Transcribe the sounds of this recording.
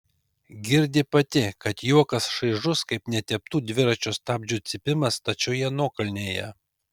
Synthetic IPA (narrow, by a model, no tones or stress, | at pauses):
ɡʲɪɾʲd̪ʲɪpɐt̪ʲɪkɐt̪juɔkɐsʃɐɪʒʊskɐɪpnʲɛt̪ʲɛp̚t̪uːd̪ʲʋʲɪɾɐt͡ʃʲoːst̪ɑːbʲd͡ʒʲuːt̪sʲɪpʲɪmɐst̪ɐt͡ʃʲɛʊjɛnuːkɐlʲnʲeːjɛ